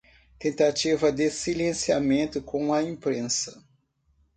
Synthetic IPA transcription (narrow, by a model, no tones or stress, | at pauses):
t̪ẽnt̪at͡ʃivɐd̪ɪsilẽsiamẽnt̪ʊkõw̃ɐẽpɾẽsɐ̥